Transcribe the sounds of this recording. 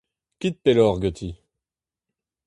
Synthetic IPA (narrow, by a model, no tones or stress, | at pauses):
kit̪̚pelɔʁɡøt̪ʰi